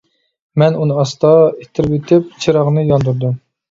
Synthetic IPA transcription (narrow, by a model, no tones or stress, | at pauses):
mɛnunɨɑst̪ɑet̪ʰːɪɾɪpet̪ʰɪp̚t͡ʃʰiɾɑʁnɨjɑnd̪uɾd̪um